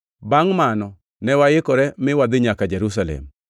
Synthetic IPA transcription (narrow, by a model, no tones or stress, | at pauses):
baŋmanɔ | nɛwajɪkɔɾɛmɪwad̪ɪɲakad͡ʒɛɾus̬alɛ̰m